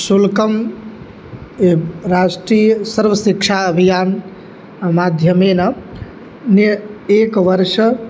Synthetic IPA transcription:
sulkəm | ɾasʈɾijəsəɾʋəsikt͡ʃʰaəbʱijaːn | mad̪ʱjəmena | nekʋəɾʃ

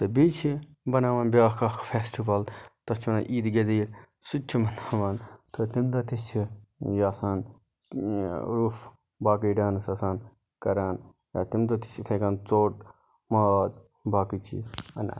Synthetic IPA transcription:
t̪ɨbiːt͡ʃʰi | bɐnaːʋaːnbʲjaːkɐkʰfʰeːsʈiʋɐlt̪ɐt͡ʃʰɐnaʔiːd̪ɡɐd̪iːɾ | sut͡ʃʰimɐnaːʋaːnt̪ʰot̪imt̪ɐt̪it͡ʃʰijaːsaːn | ɾuf | baːk̬iːɖaːnsɐsaːn | kɐɾaːn | ja̰ːt̪imd̪ɐt̪i̥t͡ʃʰit̪ʰeːkaːnt͡soːʈ | maːz | baːkit͡ʃḭːzɐna̰

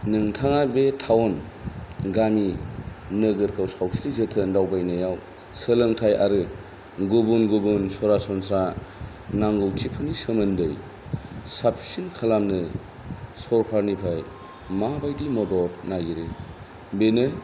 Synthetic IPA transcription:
nɯŋtʰaŋabetʰawn | ɡaminɯɡɯɾkʰawsawsɾizɯtʰɯndawbajnɯjaw | sɯlɯŋtʰajʔa̰ɾɯ | ɡubunɡubunsɔɾasɔnsɾa | naŋɡɯwtʰipʰɯnisɯmɯndɯj | sapsinkʰalamnɯ | sɔɾpʰaɾnipʰaj | mabajdimɔdɔtnajɡiɾɯ | benɯ

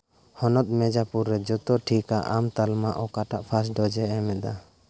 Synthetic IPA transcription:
hɔnɔt̪̚ˀmɛd͡ʒapuɾːɛd͡ʒɔt̪ɔʈʰikaʔamt̪almaʔɔkaʈaʔpʰas̬ɖɔd͡ʒɛɛmɛd̪a

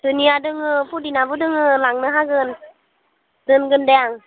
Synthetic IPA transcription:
tɯniadɯŋɯpʰudinabɯdɯŋɯlaŋnɯɦaɡɯn | dɯnɡɯndɛaŋ

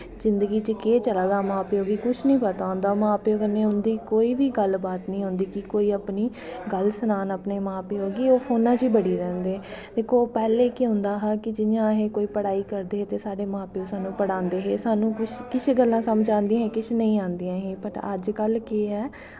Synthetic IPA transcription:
zɪnd̪əɡiːt͡ʃəkeːt͡ʃəlaːɡaːmãːpeːɦoːɡiːkʊt͡ʃʰnəĩːpət̪aːõːnd̪aːmãːpeːoɡənẽːʊnd̪iːkoːiːʋiːɡəlbaːt̪nĩːɦʊ̃nd̪iːkɪkoːiːəpniː | ɡəlsənaːnəpneːmãːpeːɦoːɡiːoːpʰoːnãːt͡ʃiːbəɽiːɾɛ̃ːnd̪eːd̪eːkʰoːpɛːleːkɪɦʊ̃nd̪aːɦaːkɪd͡ʒɪɲãːɦeːkoːiːpəɽaːiːkəɾd̪eːɦeːt̪eːsaːɖeːmãːpeːoːsaːnũːpəɽãːnd̪eːɦeːsaːnũːkʊt͡ʃʰkɪt͡ʃʰɡəlːãːsəmd͡ʒãːnd̪ĩjãɦeːkɪt͡ʃʰnə̃ĩːãːnd̪ijãːɦeːpəʈə̰d͡ʒkəlkeːɦɛː

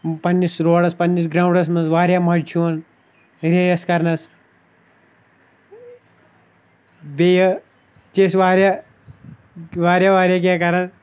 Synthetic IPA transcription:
pɐnːisɾoːɽɐspɐnːisɡɾaːuɳɖɐs̬mɐnzʋaːɾjaːmɐɽt͡ʃʰuɐn | ɾejɐskɐɾnɐs | bejɐ | t͡ʃeːsʋaːɾja | ʋaːɾʲjaʋaːɾjaːk̬ʲeːkɐɾɐs

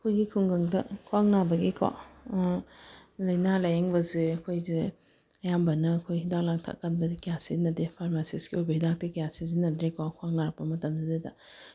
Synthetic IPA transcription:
ɐkʰojɡikʰuŋɡɐŋdɐkʰwaŋnabɐɡikʰa̰ | lɐjnalajeŋbɐzeɐkʰojzi | ɐjambɐnɐːkʰojɦidak̚laŋtʰa̰kanbɐzikijasinɐdepʰaɾmasisɡiojbɐhidak̚tekijasizinɐdɾekʰɔkʰwaŋ̚naɾɐpɐmɐtɐmzizedɐ

